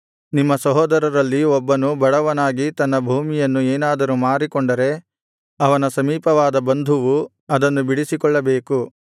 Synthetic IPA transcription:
nimːɐsɐɦɔːd̪ɐɾɐɾɐlːiɔbːɐnubɐɽɐʋɐnaːɡit̪ɐnːɐbʱuːmijɐnːueːnaːd̪ɐɾumaːɾikɔɳɖɐɾe̞ | ɐʋɐnɐsɐmiːpɐʋaːd̪ɐbɐnd̪ʱuʋu | ɐd̪ɐnːubiɽisikɔɭːɐbeːku

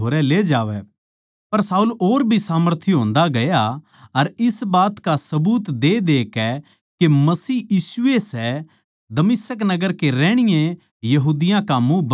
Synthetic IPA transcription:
oːɾɛleːd͡ʒaːʋɛ | pɐɾsaːuːloːɾbʱisaːməɾt̪ʰjɦõːnd̪aɡɐja | ɐɾɪsbaːt̪kasɐbuːt̪d̪ed̪eːkɛ | kemɐsiːjiːsʊesɛ | d̪ɐmɪsəknɐɡəɾkeɾɛ̃ːɽ̃ɪjẽ | jɐɦuːd̪ɪjãkamũb

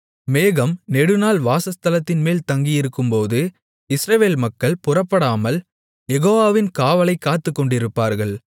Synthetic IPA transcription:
meːɣɐmnɛɽɯnaːlʋaːsɐst̪ɐlɐt̪ːɪnmeːlt̪ɐŋɡɪjɪɾɯkːɯmpoːðɯ | ɪsɾɐʋeːlmɐkːɐɭpʊrɐpːɐɽaːmɐl | jɛɣoːʋaːʋɪnkaːʋɐlɐɪkːaːt̪ːɯkːɔɳɖɪɾɯpːaːɾɣɐɭ

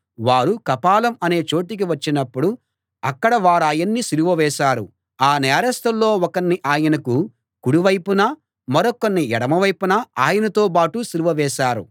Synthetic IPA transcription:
ʋaːɾukɐpaːlɐmɐne̞ːt͡ʃo̞ːʈik̬iʋɐt͡ʃːinɐpːuɽu | ɐkːɐɽɐʋaːɾaːjɐnːisiɾuʋɐʋɛːʃaːɾṵ | aːnɛːɾɐst̪ɐlːo̞ːɔkɐnːiʔaːjɐnɐku | kuɽuʋɐjpunɐ | mɐɾɔkɐnːiɛɽɐmɐʋɐjpunɐaːjɐnɐt̪o̞ːpaːʈusiɾuʋɐʋɛːʃaːɾṵ

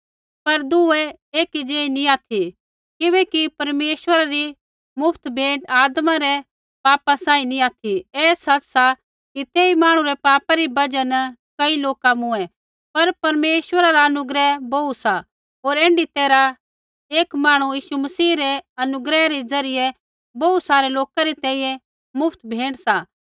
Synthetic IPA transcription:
pɐɾd̪ʊɛ | eːkid͡ʒeːinĩaːt̪ʰi | kɪbɛːkipɐɾmeːʃʋəɾaɾi | mʊpʰt̪bʱẽːʈaːd̪mãɾɛ | paːpasãːĩnĩaːt̪ʰiɛːsɐt͡ʃsa | kit̪eːimaːɽ̃ũɾɛpaːpaɾibɐd͡ʒənkɐiloːkamũɛ | pɐɾpɐɾmeːʃwəɾaɾaɐnʊɡɾɛbousa | oːɾẽːɳɖit̪eːɾa | eːkmaːɽ̃ujiːʃumɐsiːɾɛɐnʊɡɾɛɾɛd͡zɐɾɪjɛ | boːut̪saːɾeloːkaɾit̪ɛ̃ːĩjɛ̃ | mʊpʰt̪bʱẽːʈsa

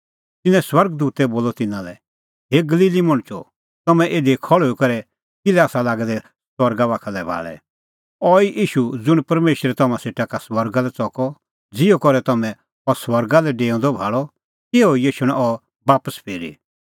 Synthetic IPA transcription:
t̪ɪnɛ̃swɐɾɡd̪uːt̪ɛboːlɔt̪ɪnãlɛ | ɦeɡɐliːlimɐɽ̃t͡ʃɔ̰ | t̪ɐmɛ̃ʔeːd̪ikʰɔɭoikɐɾɛ | kɪlɛaːsalaːɡɛd̪ɛ | swɐɾɡaβaːkʰalɛbʱa̰ːɭɛ̰ | ɔiʔiːʃud͡zʊɽ̃pɐɾmeːʃɾɛt̪ɐmãseːʈakaswɐɾɡalɛt͡sɔkɔ | d͡zɪɔkɔɾɛt̪ɐmɛ̃ | ɔswɐɾɡalɛɖeːɔ̃ːd̪ɔbʱaːɭɔ | keoijeːʃʊɽ̃aʔɔ | baːpəspʰeːɾḭ

